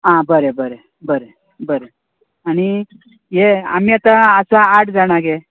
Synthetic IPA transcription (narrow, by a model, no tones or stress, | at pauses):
ɦãbəɾebəɾe | bəɾe | bəɾe | aɽ̃i | jea̰miat̪aəsaːʈʰd͡zaɽ̃aɡe